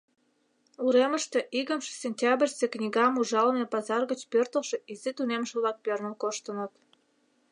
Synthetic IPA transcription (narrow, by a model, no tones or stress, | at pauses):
uɾeməʃt̪e̽ʔiɣə̆mʃe̥sʲenʲtʲɑbrʲsʲeknʲiɣɑmuʒɑlə̆nepɑzɑrɣət͡ɕpørt̪ə̆lʃĕʔizet̪unemʃĕβlɑk̚pørnəlkoʃt̪ənə̆t̪